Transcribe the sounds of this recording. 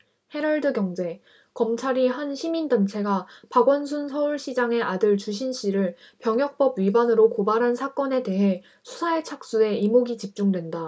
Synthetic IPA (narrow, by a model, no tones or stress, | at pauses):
he̞ɾʌɭdɯɡjʌŋd͡ʑe̞ | kʌmt͡ɕʰaɾiɦanɕʰimindant͡ɕʰe̞ɡapaɡwʌnsʰunsʰʌuɭɕʰid͡ʑaŋe̞ʔadɯɭt͡ɕuɕ̬ʰinɕ͈ʰiɾɯɭ | pjʌŋjʌk̚p͈ʌbɥibanɯɾokobaɾɦansʰak͈ʌne̞te̞ɦe̞ | sʰu̥sʰaet͡ɕʰak̚s͈ue̞imoɡit͡ɕip̚t͡ɕ͈uŋdwe̞nda